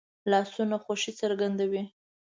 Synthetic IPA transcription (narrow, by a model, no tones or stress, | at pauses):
lɑsunaxoʃit͡səɾɡand̪awi